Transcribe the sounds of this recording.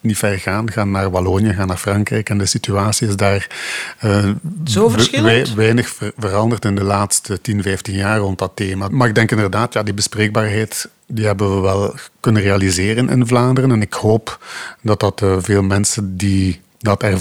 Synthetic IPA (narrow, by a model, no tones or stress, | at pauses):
nifɛrɣaːnɣaːnːaːrbalonjəɣaːnːaːɹfrɑŋkrɛjkɛndəsityaːsiɪzdaːrəovɪʋɛjnəxəvərɑndərtɪndəlaːtstətinvɛjftinjaːrːɔnt̚dɑteːmamaːɪɡ̚dɛŋkɪndərdaːtjaːdibəspreːɡ̚baːrɦɛjt | diɦɛbənʋəʋɛlˠkɵnənrealizeːrənʔɪ̰nvlaːndərənɛnɪkhoːpd̥ɑt̚dɑtəveːlˠmɛnsəndi | dɑtɛr